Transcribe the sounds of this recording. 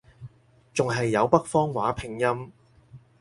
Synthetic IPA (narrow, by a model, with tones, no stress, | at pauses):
t͡sʊ˨ŋɦɐ˨jːɐ˨˧wpɐ˥k̚fɔː˥ŋwaː˨˥pʰɪ˨˩ŋjɐ˥m